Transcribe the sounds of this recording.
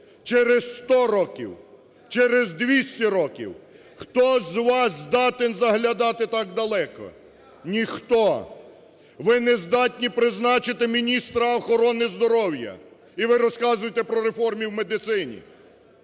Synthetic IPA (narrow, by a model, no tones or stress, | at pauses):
t͡ʃɛɾesst̪ɔɾɔkʲḭw | t͡ʃɛɾezd̪ʋʲisʲtʲɐɾɔkʲḭw | xt̪ɔzʋɑszd̪ɑt̪enzɐɦlʲɐd̪ɑt̪ɪt̪ɑk̚d̪ɐlˠɛkɔ̰ | nʲixt̪ɔ | ʋɪnɛzd̪ɑtʲnʲipɾɪznɑt͡ʃɪt̪ɪmʲinʲist̪ɾɐːxɔɾɔnɪzd̪ɔɾɔwjɐ̰ | iʋɪɾɔskɑzʊjt̪ɛpɾɔɾefɔrmʲiwmed̪ɪt̪sɪnʲḭ